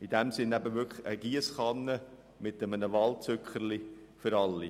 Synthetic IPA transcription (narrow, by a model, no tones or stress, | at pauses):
id̥ɛmsɪnæbəʋʏkχəɡ̥iəsχɑnːə | mɪtəmənəʋɑlt͡søkχəɾli | føɾɑlːi